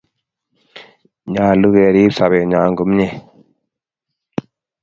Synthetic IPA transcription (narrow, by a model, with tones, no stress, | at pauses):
ɲaː˨lu˦ɡɛ˨ɾi˦psa˨βɛ˨ɲaː˨ŋɡu˦mɲɛ˦˨